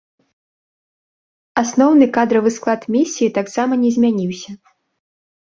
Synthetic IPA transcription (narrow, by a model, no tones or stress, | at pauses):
asnɔwn̪ɨkad̪ɾɐvɨsklˠat̪mʲisʲːijit̪aksamɐnʲɛzʲmʲanʲiwsʲɐ